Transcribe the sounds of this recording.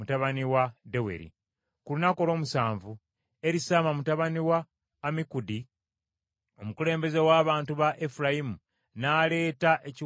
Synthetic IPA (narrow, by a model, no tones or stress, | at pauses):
mutaβaniwade̞we̞̰ɾḭ | kulunako̞lo̞ːmusaːɱvu | e̞ɾisaːmamutaβaniwaː | mikudi | o̞mukule̞ːmbe̞ze̞waːβaːntuβaʔefuɾajimu | naːle̞ːtaʔeci